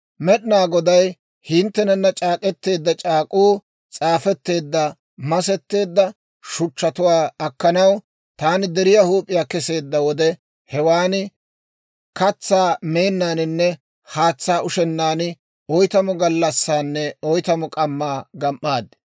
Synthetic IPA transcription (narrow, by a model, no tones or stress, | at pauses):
mɛɗnaːɡɔd̪ɐj | hɪnt̪ːɛnɛnːɐt͡ʃʼaːkʼɛt̪ːe̞ːd̪ːɐt͡ʃʼaːkʼuː | t͡sʼaːfɛt̪ːe̞ːd̪ːɐ | mɐsɛt̪ːe̞ːd̪ːɐ | ʃʊt͡ʃːɐt̪ʊwaːɐkːɐnɐw | t̪aːnɪd̪ɛɾɪjahuːpʼːɪjaːkɛse̞ːd̪ːɐwɔd̪ɛ | hɛwaːnɪ | kɐt͡sːaːme̞ːnːaːnɪnːɛ | haːt͡sːaːʔʊʃɛnːaːnɪ | ɔjt̪ɐmɔɡɐlːɐsːaːnːɛɔjt̪ɐmɔkʼɐmːaːɡɐmʔaːd̪ɪ̥